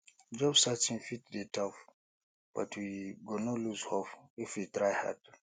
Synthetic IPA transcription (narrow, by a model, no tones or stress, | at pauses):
d͡ʒɔbsatĩnfit̚detʰɔf | b̥a̰tʰwiɡɔnɔluzhɔfifwitɾajha̰d